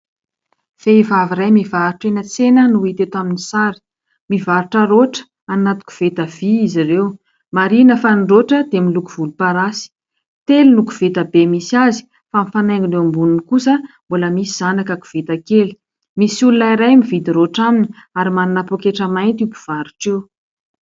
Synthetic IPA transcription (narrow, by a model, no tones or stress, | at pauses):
feivaviɾajmivaɾuʈ͡ʂenət͡senənuit̪et̪aminisaɾi̥ | mivaɾuʈ͡ʂəɾoʈ͡ʂə̥ | anat̪u̥ku̥v̥et̪əviiziɾew | maɾinəfanɖ͡ʐoʈ͡ʂəd̪emilukuv̥ulupaɾasi̥ | t̪elulukuv̥et̪əbemisiazi̥ | famifanajŋinewmbununikusəmboləmisiz̥anakaku̥v̥et̪akeli̥ | misululaiɾajmivid̪iɾoʈ͡ʂaminiaɾimanunapokeʈ͡ʂəmajnt̪iupu̥v̥aɾuʈ͡ʂew